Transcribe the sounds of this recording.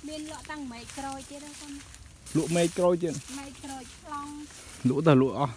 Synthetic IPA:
miənlʊ̆əʔt̪aŋmɛːc̚krɔːjt̪iət̪akon | luəʔmɛːc̚krɔːjt̪iənmɛːckrɔːjt͡ɕʰlɑŋ | luəʔt̪aluəʔɑh

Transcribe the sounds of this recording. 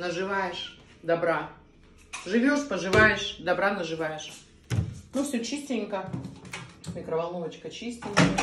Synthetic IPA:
nəʐɨvajɪʂ | d̪ɐbɾa | ʐɨvʲoʂpəʐɨvajɪʂd̪ɐbɾanəʐɨvajɪʂ | nufsʲot͡ɕisʲtʲɪnʲkə | mʲɪkɾəvɐlˠnovət͡ɕkət͡ɕisʲtʲɪnʲkə

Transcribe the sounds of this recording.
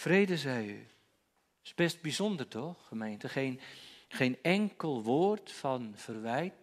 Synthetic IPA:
frejdəzɛjy | ɪsb̥ɛst̚bizɔndərtɔχχəmejntəχejnχejnɛŋkəlˠʋoːrtfɑnv̥ərʋɛjt̚

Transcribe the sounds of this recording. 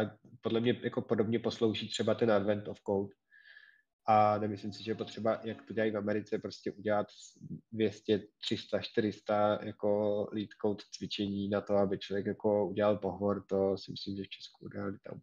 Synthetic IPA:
podlɛmɲɛjako̞podobɲɛpo̞slo̞wʒit̪r̥ɛbat̪ɛnadvɛnt̪ofkowt̪ | ʔanɛmɪslɪmsɪʒɛjɛpo̞t̪r̥ɛbajakt̪oɟɛlajfamɛɾɪt͡sɛpɾo̞scɛʔuɟɛlat̪dvjɛscɛt̪r̝̥ɪst̪aʃt̪ɪɾɪst̪ajako̞liːt̪kowt̪t͡svɪt͡ʃɛɲiːnat̪o̞abɪt͡ʃlovjɛkjako̞uɟɛlalpoɦvoɾt̪o̞sɪmɪslimʒɛft͡ʃʰɛ̥skuṵdɛlalɪt̪a̰

